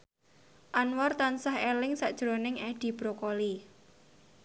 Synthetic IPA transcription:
ʔanwɔrt̪ansahɛlɪŋsaʔd̥ʒ̥ɾonɪŋɛɖ̪̥i̤b̥ɾokoli

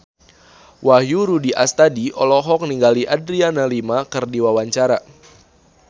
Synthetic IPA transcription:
waɦjuɾudiʔast̪adiʔɔlɔɦɔk̚niŋɡaliʔadɾianalimakɨrdiwawaɲt͡ʃaɾa

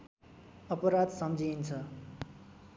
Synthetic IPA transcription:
ʌpʌɾad̪sʌmd͡zint͡sʰʌ

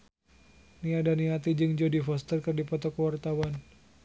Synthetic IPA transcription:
niadaniat̪̬id͡ʒɨŋd͡ʒodifɔst̪ərkɨrdipɔt̪ɔkəwart̪awan

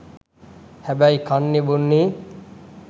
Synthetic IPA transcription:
hɛbajkʰanːibunːi

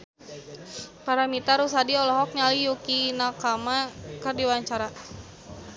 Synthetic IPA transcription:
paɾamit̪aɾus̬adiɔlɔɦɔk̚ɲalijukinakamakərdiwaɲt͡ʃaɾa

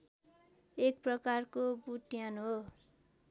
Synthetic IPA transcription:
ek̚prʌkarkobuʈjanɦo

